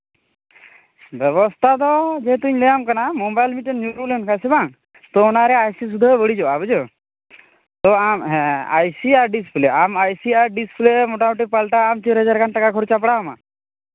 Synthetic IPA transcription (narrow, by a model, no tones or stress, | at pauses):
bɛβɔst̪ʰat̪ɔd͡ʒeɦt̪uɲlejamkanamobajlmiʈenːjuɾulenkʰasebaŋ | t̪ɔːnaɾɛajsisud̪ʱabəɽid͡ʒɔabəd͡ʒo | t̪ɔamɦɛ̃a̰jsiaɾɖispleamajsiaɾɖisplemoʈamoʈipalʈaːmt͡ʃiɾɦəd͡ʒaɾkanʈakakʰɔɾt͡ʃapɽama̰